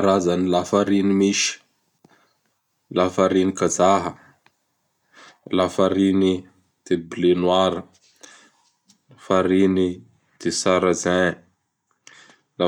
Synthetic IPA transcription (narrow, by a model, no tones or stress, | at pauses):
aɾazanilafaɾinimiʃi̥ | lafaɾinikazaɦə | lafaɾini | d̪̥ebilenwaɾə | afaɾini | d̪̥esaɾazɛ | la